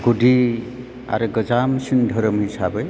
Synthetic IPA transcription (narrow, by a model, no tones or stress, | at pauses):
ɡ̥uɖʱi | a̰ɾɯɡʌd͡ʒamsindʱəɾəmɦisabe